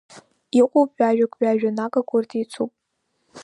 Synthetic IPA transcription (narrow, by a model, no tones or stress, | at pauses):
iqʷʼupʼaʒᶣakʷʼɥᶣaːʒᶣanakʼakʷʰʊrtʰʼit͡sʰupʼ